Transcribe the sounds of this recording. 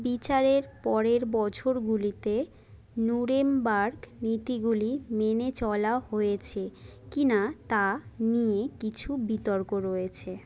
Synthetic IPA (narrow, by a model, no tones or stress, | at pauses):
bit͡ɕaɾeɾpɔɾeɾbɔt͡ɕʰoɾɡulit̪e | nuɾembaɾknit̪iɡulimenet͡ɕɔlaoɦojet͡ɕʰekinat̪anijekit͡ɕʰubit̪ɔɾkoɾojet͡ɕʰe